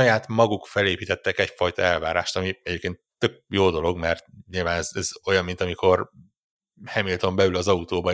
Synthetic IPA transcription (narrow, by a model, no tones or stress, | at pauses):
ɒjaːt̪mɒɡukfɛleːpiːt̪ɛt̪ːɛkɛcfɒjt̪ɒɛlvaːɾa̰ːʃt̪ɒmiɛɟeːp̚keːnt̪ːø̞k̚joːd̪o̞lo̞ɡmɛrt̪̚ɲilvaːnɛzɛzo̞jɒmːint̪ɒmikʰo̞r | hɛmilt̪o̞mbɛlylɒzɒut̪oːbɒ